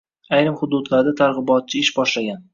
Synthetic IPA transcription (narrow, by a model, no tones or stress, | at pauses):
ajɾɪmχʊd̪ʊd̪laɾd̪at̪ʰaɾʁɨbɒt̪̚t͡ʃʰɪɪʃbɒʃlaɡʲan